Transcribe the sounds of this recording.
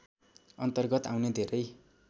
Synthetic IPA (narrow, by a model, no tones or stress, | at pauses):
ʌnt̪ʌrɡʌt̪awned̪ʱeɾʌj